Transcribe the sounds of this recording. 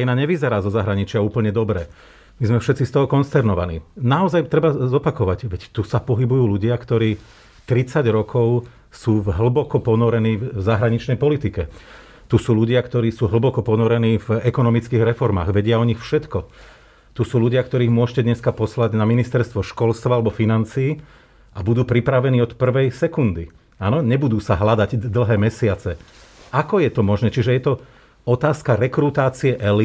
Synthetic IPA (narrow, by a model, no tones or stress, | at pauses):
inaɲɛʋizɛɾaːzɔzaɦɾaɲit͡ʃɪauːpl̩ɲɛd̪ɔbɾɛ | mizmɛfʃɛt̪t͡sist̪ɔɦɔkɔnst̪ɛɾnɔʋanḭːnaɔzajt̪ɾɛbazɔpakɔʋacʋɛct̪usapɔɦibujuːluɟɪakt̪ɔɾiː | t̪ɾit͡saɟɾɔkɔʊ | suːvɦl̩bɔkɔpɔnɔɾɛniːvvzaɦɾaɲit͡ʃnɛjpɔlit̪ikɛ | t̪usuːluɟɪakt̪ɔɾiːsuːɦl̩bɔkɔpɔnɔɾɛniːvɛkɔnɔmit͡skiːɣɾɛfɔɾma̰ːɣʋɛɟɪaɔɲixfʃɛt̪kɔ | t̪usuːluɟɪakt̪ɔɾiːɣmʊɔʃcɛd̪ɲɛskapɔslaɟnaminist̪ɛɾst̪ʋɔʃkɔlst̪ʋaalɛbɔfinant͡siː | ʔabud̪uːpɾipɾaʋɛniːɔt̪pr̩ʋɛjsɛkund̪i | anɔɲɛbud̪uːsaɦlad̪aɟd̪l̩ɦɛːmɛsɪat͡sɛakɔjɛt̪ɔmɔʒnɛːt͡ʃiʒɛjɛt̪ɔ | ɔt̪aːskaɾɛkɾut̪aːt͡siɛʔɛli